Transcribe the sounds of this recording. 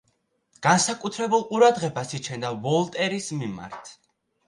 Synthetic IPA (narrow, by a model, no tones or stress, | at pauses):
ɡ̥ansakʼut̪ʰɾɛbulˠqʼuɾad̪ʁɛbasit͡ʃʰɛnd̪avɔlˠt̪ʼɛɾismima̰ɾt̪ʰ